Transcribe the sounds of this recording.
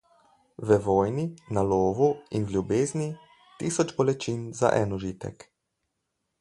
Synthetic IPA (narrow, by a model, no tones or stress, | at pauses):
ʋəʋoːjninaloːʋuinlʲjubeːzni | t̪iːsɔt͡ʃbɔlɛt͡ʃiːnza̰ʔɛnɔʒiːt̪ɛ̰k